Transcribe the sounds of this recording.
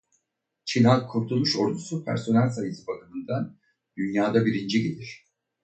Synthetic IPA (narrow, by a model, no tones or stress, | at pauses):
t͡ʃʰinalkʰuɾt̪ʰulˠmuʃo̞ɾd̪usupʰæ̰ɾso̞nælʲsajɯsɯbakɯmɯnd̪an | d̪̥ynjaːd̪abiɾind͡ʒiɟed̪ʲiɾ̝̥